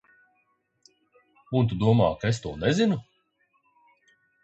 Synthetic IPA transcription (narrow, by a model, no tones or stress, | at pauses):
unt̪ud̪uɔma̰ːkaest̪uɔnɛzinu